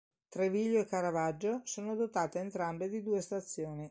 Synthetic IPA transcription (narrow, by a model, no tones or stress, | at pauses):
t̪ɾeviʎːoekːaɾavad͡ʒːosoːnod̪ot̪aːt̪eːnt̪ɾambed̪id̪uːest̪at̪sːjoːni